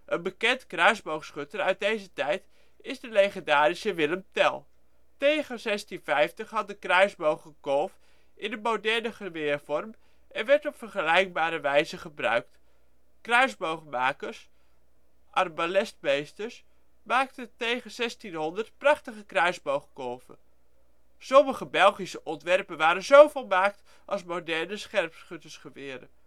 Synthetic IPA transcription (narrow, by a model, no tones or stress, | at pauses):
ʔənbəkɛntkrœɥzbowχsχɵtəɾœɥt̚dejzətɛjt | ɪzdəlejχəndaːɾisəʋɪləmtɛlˠ | tejχənzɛstinvɛjftəχɦɑt̚dəkrœɥzbowχəkɔlˠf | ɪndəmowdɛɹnəχəʋɪːɹvɔrm | ʔɛnʋɛɹtɔpfəɹχəlɛjk̚baːɾəʋɛjzəχəbrœ̰ɥk̚t | krœɥzbowχmaːkəɹs | ʔɑrbalɛstmejstəɹs | maːktəntejχənzɛstinɦɔndəɹtprɑχtəχəkrœɥzbowχkɔlˠvə̰n | sɔməχəbɛlˠχisəʔɔntʋɛrpənʋaːɾənzowvolˠmaːkt | ʔɑ̰lˠsmowdɛɹnəsχɛrpsχøtəsχəʋɪːɾə̰